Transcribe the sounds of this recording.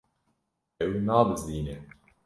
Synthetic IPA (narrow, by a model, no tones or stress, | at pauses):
ɛwnɑːbɨziːnɛ